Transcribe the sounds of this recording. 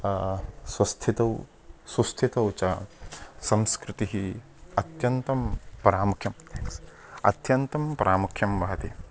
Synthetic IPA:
swɐst̪ʰit̪ɐw | sust̪ʰit̪ɐwt͡ʃɐ | sɐmskɾɪt̪iɦi | ɐt̪jɐnt̪ɐmpɐɾaːmukʰjɐm | ɐ̰t̪jɐnt̪ɐmpɐɾʔaːmukʰjɐmʋɐɦɐt̪i

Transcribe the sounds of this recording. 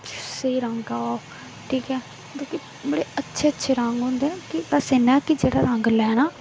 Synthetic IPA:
seiːɾəŋɡaaːo | ʈʰiːkɛː | kõːki | bəɽeːətːʃʰeːətːʃʰeːɾəŋɡɦõːnd̪ekɪasenaːkɪd͡ʒeːɽaːɾəŋɡlɛːnaː

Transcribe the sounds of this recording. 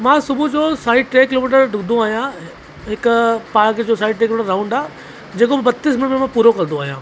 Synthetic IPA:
mãːsʊbʱud͡ʑoːsaːɪɖ̚ʈɾeːkɪloːmiːʈ̬əɾɖʱʊɡnd̪ũaːɦijã | ɦɪkʊpaːɾkd͡ʑoːsaːɪɖ̚ʈeːkɪlomːʈəɾːaːʊ̃ɳɖaː | d͡ʑeːkobbɐt̪ːiːs̬mɪnmẽmãpuːɾokɐ̃ɾ̃nd̪ũaːɦijãː

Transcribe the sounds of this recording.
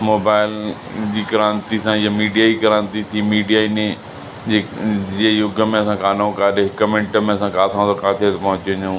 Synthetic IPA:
moːbaːɪl | d͡ʑiːkɐɾãːnt̪isãɪamiːɖijad͡ʑiːkɐɾãːnt̪it̪ʰiːmiːɖijaɪne | d͡ʑeːd͡ʑeːjʊɡəmẽɐsãkaːnõkaːɗẽɦɪkmɪ̃ɳʈəmẽɐsãkaːt̪ʰãt̪okaːt̪ʰet̪ɐpɐ̃ɦʊ̃t͡ɕːɲẽ

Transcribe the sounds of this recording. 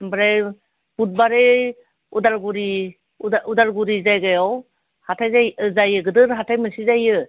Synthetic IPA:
bɾe | b̥ut̚baɾe | udaɾɡuɾi | udaɾɡuɾizajɡajɔw | hatʰajzajzajɯɡɯdɯɾɦatʰajmɯsizajɯ

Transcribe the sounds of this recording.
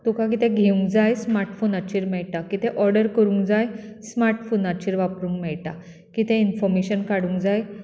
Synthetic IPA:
t̪ukãk̬it̪ɛ̃ɡʱeũŋɡd͡zajsmaɾʈfonat͡ɕiːɾmɛɭʈakit̪ɛ̃ʔɔɾɖəɾkəɾũŋɡd͡zajsmaɾʈfonat͡ɕiːɾʋapɾũŋkmɛɭʈa | kit̪ɛ̃infɔɾmeɕənkaɽũŋɡd͡zaj

